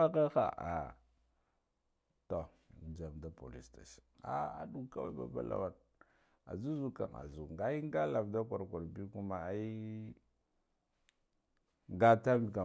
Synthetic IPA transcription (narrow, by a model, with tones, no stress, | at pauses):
a˦ka˦xa̰˨a̰˨ | to˨ | d͡ʒa˨mda˦po̰˨li˨sta˨si̥˨a̰˦a̰˨ɗu˨ka˦wa̰˦ba̰˨ba̰˦la̰˨wa˨n | a̰˨zu˦zu˨ka̰˨ŋa̰˨zu˨ŋɡa˦i˦ŋ˦ɡa˦la˨vda˦kʷa˨ɾkʷa˨ɾbi˦ku˦ma˨˦i˦ | ŋɡa˦ta˦mi˨ka˨